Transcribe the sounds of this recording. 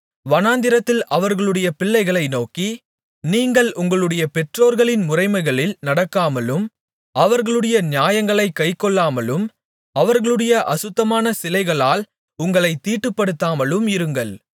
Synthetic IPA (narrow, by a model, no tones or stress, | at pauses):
ʋɐnaːnd̪ɪɾɐt̪ːɪlʔɐʋɐɾɣɐɭɯɽɐjɐpɪɭːɐɪɣɐɭɐɪnoːki | niːŋɡɐɭʔʊŋɡɐɭɯɽɐjɐpɛʈroːɾɣɐɭɪnmʊrɐɪmɐɪɣɐɭɪlnɐɽɐkːaːmɐlɯm | ɐʋɐɾɣɐɭɯɽɐjɐnɪjaːjɐŋɡɐɭɐɪkːɐɪkːɔɭːaːmɐlɯm | ɐʋɐɾɣɐɭɯɽɐjɐʔɐsɯt̪ːɐmaːnɐsɪlɐɪɣɐɭaːl | ʊŋɡɐɭɐɪt̪ːiːʈːɯpːɐɽɯt̪ːaːmɐlɯmɪɾɯŋɡɐɭ